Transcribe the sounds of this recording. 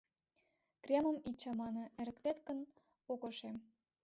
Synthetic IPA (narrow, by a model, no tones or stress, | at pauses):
krʲemə̆mit͡ɕːɑmɑnə̆eɾə̆kt̪et̪kə̆n | okŏʃem